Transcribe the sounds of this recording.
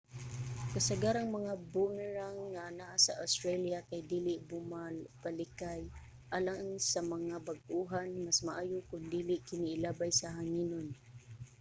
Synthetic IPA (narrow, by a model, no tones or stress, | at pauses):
kasaɡaɾaŋmaŋabumɛɹaŋːanaʔasaʔast̪ɾaljakajd̪iːlɪʔbʊmalpalɪkaj | ʔalaŋsamaŋabaɡʔuɦanmasmaʔaːjʊkʊnd̪iːlɪʔkɪnɪːlaːbajsaɦaŋinon